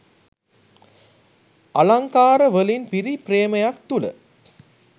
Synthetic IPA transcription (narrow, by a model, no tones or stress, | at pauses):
ʔɐlɐŋkaːɾɐʋəlinpiɾipɾeːmɐjɐk̚t̪ulɐ̰